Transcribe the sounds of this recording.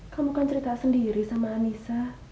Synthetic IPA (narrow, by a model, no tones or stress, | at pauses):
kamukant͡ʃəɾit̪asəndiɾisamaːnisa